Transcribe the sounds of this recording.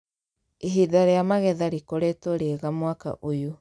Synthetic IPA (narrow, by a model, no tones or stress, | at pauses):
eɦiðaɾeamaɣɛðaɾikoɾetoɾeɣamwaka̰ʔojo